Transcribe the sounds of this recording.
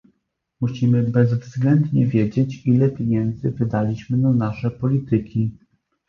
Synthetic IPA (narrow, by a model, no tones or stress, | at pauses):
muɕimɘbɛzvzɡlɛnd̪ɲɛvʲjed͡ʑet͡ɕilɛpʲjeɲɛnd̪zɘvɘd̪alʲiɕmɘnanaʂɛpɔlʲit̪ɘkʲi